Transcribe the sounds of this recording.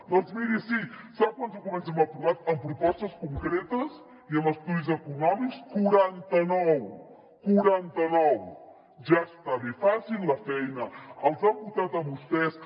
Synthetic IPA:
d̪ɔnzmiɾisisap̚kwanzukumənsɛməpɾuβat̪əmpɾupɔst̪əskuŋkɾɛt̪əz | iəməst̪uðizəkunɔmikskuɾant̪ənɔw | kuɾant̪ənɔw | ʒaəst̪aβefasilˠːəfɛjnəəlˠzambut̪at̪əmbust̪ɛs

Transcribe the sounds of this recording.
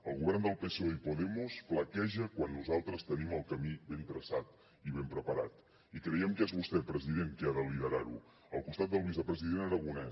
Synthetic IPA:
əlˠɣuβɛrnd̪əlˠpesoipuðɛmuspləkɛʒəkwanːuzalˠt̪ɾəst̪əniməlˠkəmiβent̪ɾəsat̪̚ | iβ̞empɾəpəɾa̰t̪ | ikɾəjɛmkezβust̪ɛpɾəziðeŋkiaðəliðəɾaɾu | əlˠkust̪at̪̚d̪əlˠβ̞izəpɾəziðenəɾəɣunɛ

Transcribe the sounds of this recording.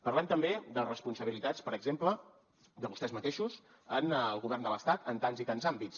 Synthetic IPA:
pərlɛmt̪əmbed̪ərəspunsəβ̞ilit̪at͡spəɾəɡzemplə | d̪əβust̪ɛzmət̪eʃus | ənlˠɣuβɛrnd̪ələst̪at̪ənt̪anzit̪anzambit͡s

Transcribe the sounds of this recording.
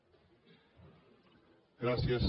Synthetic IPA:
ɡɾaθjas

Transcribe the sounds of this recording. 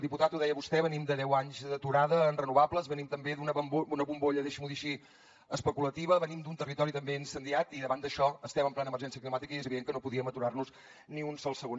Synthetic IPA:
lˠd̪iput̪at̪uðɛjəβust̪ɛβənimd̪əðɛwaɲzd̪ət̪uɾaðəːnrənuβapləzβənimt̪əmbeðunəβəmbunəβumboʎəðeʃəmuðiʃi | əspəkulət̪iβəβənimd̪unt̪ərit̪ɔɾit̪əmbeinsənd̪iat̪iðəβand̪əʃɔəst̪ɛməmplɛnəmərʒɛnsiəklimat̪ikəiɛzəβiðeŋkənopuðiəmət̪uɾarnuz | niunsɔlˠsəɣon

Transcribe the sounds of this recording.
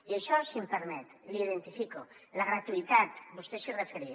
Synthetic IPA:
ieʃɔsimpeɾmɛt̪liðent̪ifikolaɣɾat̪uit̪at̪bust̪esirefeɾi

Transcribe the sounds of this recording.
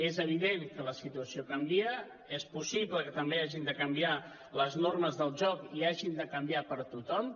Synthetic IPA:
ezəβiðeŋkələsit̪uəsiokəmbiə | espusiβləkət̪əmbeaʒind̪əkəmbia | ləznorməzðəlˠʒɔkiaʒind̪əkəmbiapəɾt̪ut̪ɔm

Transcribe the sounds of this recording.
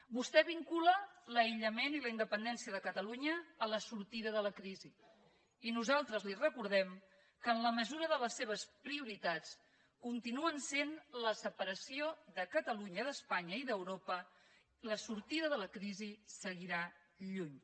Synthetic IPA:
bust̪ɛβiŋkulələiʎəmeniləind̪əpənd̪ɛnsiəðəkət̪əluɲəːləsuɾt̪iðəðələkɾizi | inuzalˠt̪ɾəzlirəkuɾð̞ɛm | kəːnləməzuɾəðələsːeβ̞əspɾiuɾit̪at͡s | kunt̪inuənsenləsəpəɾəsioðəkət̪əluɲəðəspaɲəiðəwɾopə | ləsuɾt̪iðəðələkɾizisəɣiɾa | ʎuɲ

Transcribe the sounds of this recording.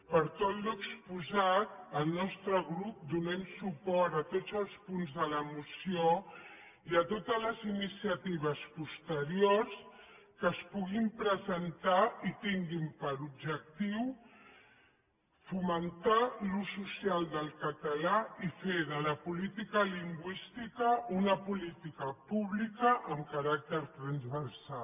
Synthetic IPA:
pəɾt̪ɔt̪luəkspuzat̪əlˠnɔst̪ɾəɣɾup̚d̪unɛmsupɔɾt̪ət̪odd͡zəlˠspunzðələmusio | iət̪ot̪əzləzinisijət̪iβ̞əspust̪əɾiors | kəspuɣimpɾəzənt̪ait̪iŋɡimpəɾub̚ʒək̚t̪iw | fumənt̪alususialˠd̪əlˠkət̪əlaifeðələpulit̪ikəliŋɡwist̪ikəunəpulit̪ikəpuβlikəʔəmkəɾak̚t̪əɾt̪ɾənzβərsal

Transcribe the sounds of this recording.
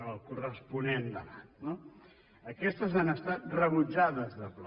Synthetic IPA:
əlˠkurəspunend̪əβat̪no | əkɛst̪əzanəst̪at̪̚rəβud͡ʒaðəzðəpl

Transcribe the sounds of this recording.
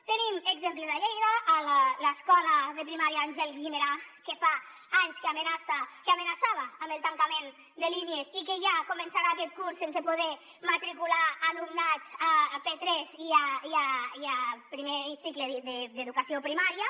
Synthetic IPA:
t̪ənimeɡzempləðaʎejðəːlləskɔləðəpɾimaɾiaanʲʒɛlɡimeɾakefa | aɲskeamenasakamənasaβaːmbeəlˠt̪aŋkamen | d̪əliniezikeʒakomensaɾaːkɛt̪̚kuɾsːensepoðɛ | mat̪ɾikulaːnumnat̪apet̪ɾɛziaiiapɾimesikləðed̪əðukasiopɾimaɾiə

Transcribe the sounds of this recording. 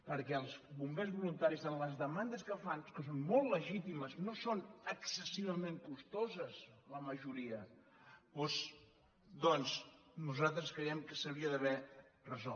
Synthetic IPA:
pəɾkɛəlˠzβumbezβulunt̪aɾizənləzðəmand̪əskəfankəs̬onmolˠtləʒit̪iməznosonəksəsiβəmeŋkust̪ozəzləməʒuɾiə | poz | d̪ɔnznuzalˠt̪ɾəskɾəjɛmkəsəβiəðəβɛrəzɔ

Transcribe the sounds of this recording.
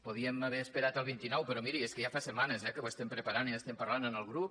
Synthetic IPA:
puðiəməβɛəspeɾat̪əlˠβint̪inɔwpəɾɔmiɾieskəʒafasəmanəzɛkəəst̪ɛmpɾəpaɾaniəst̪ɛmpəɾlanənəlˠɣɾup̚

